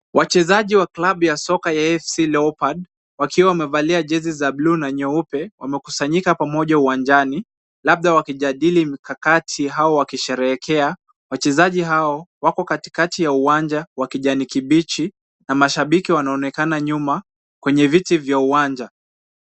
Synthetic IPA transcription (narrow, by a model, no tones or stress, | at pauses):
wʔat͡ʃɛzaʄiwaklaɓujasɔkajaɛfsilɛɔpaɗ | wakʰiwawamɛvaliaʄɛzizablunaɲɔupɛwamɛku̥saɲikapamɔʄauwand͡ʒani | lab̚ðawakiʄaɗilimikakatʰiɦaɔwakiʃɛɾɛɛkʰɛa | wat͡ʃɛzaʄiɦaɔwakɔkati̥katijauwand͡ʒawakiʄanikiɓit͡ʃi | namaʃaɓikiwanaɔnɛkanaɲuma | kwɛɲɛvitivjauwand͡ʒa